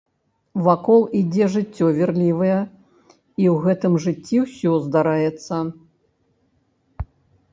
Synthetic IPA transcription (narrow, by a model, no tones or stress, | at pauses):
vakɔlˠid͡zʲɛʐɨt͡sʲːɔvʲirlʲivɐjɛ | iwɣɛt̪ɨmʐɨt͡sʲːiwsʲɔzd̪aɾajɛt̪sːɐ